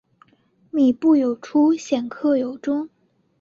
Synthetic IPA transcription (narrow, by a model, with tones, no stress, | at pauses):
mi˨˩pu˥˩jo˨˩ʊʈ͡ʂʰu˥ɕjɛ˨˩nkʰɤ˥˩jo˨˩ʊʈ͡ʂʊ˥ŋ